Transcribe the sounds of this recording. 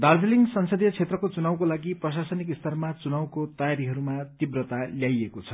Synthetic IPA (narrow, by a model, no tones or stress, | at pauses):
d̪ard͡zeliŋɡsʌnsʌd̪jʌt͡sʰet̪rʌkot͡sunawkolaɡiprʌs̬asʌnikist̪ʰʌrmat͡sunawkot̪ʌjaɾiɦʌɾumat̪ibrʌt̪aljajekot͡sʰʌ̥